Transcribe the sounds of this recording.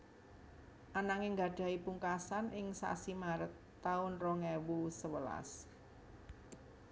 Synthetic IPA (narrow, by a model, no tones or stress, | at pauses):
ʔanaŋɪŋɡa̤ɖ̥ä̤ipuŋkasanʔɪŋsa̰simaɾət̪ː | aʊnrɔŋewusəwəla̰s